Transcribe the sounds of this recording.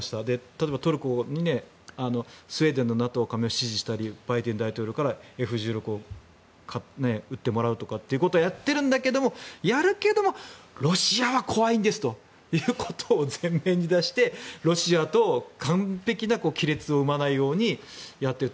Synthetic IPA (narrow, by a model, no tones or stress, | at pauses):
ɕi̥t̪ad̪e̞t̪at̪obat̪o̞ɾɯ̟ko̞ɲ̟ine̞ | ano̞sɨe̞ːd̪ẽ̞nːo̞nat̪o̞ːkame̞oɕiʑiɕi̥t̪aɾʲib̥ait̪end̪ait̪o̞ːɾʲo̞kaɾae̞ɸɯ̟ʑɨːɾʲo̞kɯo | kʰane̞ɯ̟t̪ːe̞mo̞ɾaɯ̟t̪o̞kat̪ːe̞iɯ̟ko̞t̪oːjat̪ːe̞ɾɯ̟̃nd̪ake̞d̪o̞mo̞jaɾɯ̟ke̞d̪o̞mo̞ɾo̞ɕiaβakʰo̞βaĩnd̪e̞sɨ̥t̪o̞ | jɯːkʰot̪ʰoːzẽmːẽ̞ɲ̟id̪aɕi̥t̪e̞ɾo̞ɕiat̪o̞kʰãmpe̞kʲinako̞ːkʲiɾe̞t͡sɨo̞ɯ̟manaijo̞ːɲ̟ijat̪ːeɾɯ